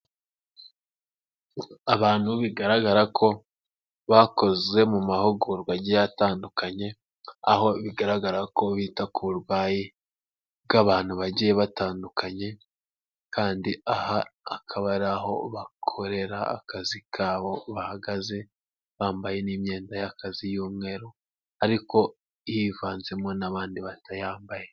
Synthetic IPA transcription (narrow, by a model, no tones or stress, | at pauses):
aβaːn̥huβiɡaɾaɡaɾakʰo̞ | βako̞ze̞mumahoɡuɾɡwaɟijjataːndukaɲe̞ | a̰ho̞βiɡaɾaɡaɾako̞βiːtakuuɾwaːji | ɡ̥aβaːn̥huβaɟijeβataːndukʰaɲe̞ | kʰaːndiahaːkʰaβaɾaho̞̰βakʰo̞ɾe̞ɾaa̰kazikʰaːβo̞βahaɡaze̞ | βaːmbaje̞niːmɲe̞ːndajakazijuːmŋe̞ɾo | aɾiko̞ | jivaːnze̞mo̞naβaːndiβatʰajaːmbaje